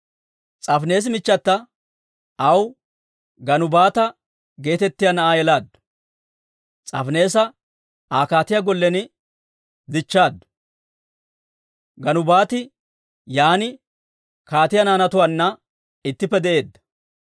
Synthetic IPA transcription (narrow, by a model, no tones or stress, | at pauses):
t͡sʼɐfne̞ːs̬mɪt͡ʃːɐt̪ːɐ | ɐw | ɡɐnʊbaːt̪ɐ | ɡe̞ːt̪ɛt̪ːɪjanɐʔaːjɛlaːd̪ʊ | t͡sʼɐ̰fne̞ːsɐ | aːkaːt̪ɪjaɡɔlːɛnɪ | d̪ɪt͡ʃːaːd̪ʊ | ɡɐnʊbaːt̪ɪ | jaːnɪ | kaːt̪ɪjɐnaːnɐt̪ʊwaːnːɐ | ɪt̪ːɪpːɛd̪ɛʔe̞ːd̪ːɐ̥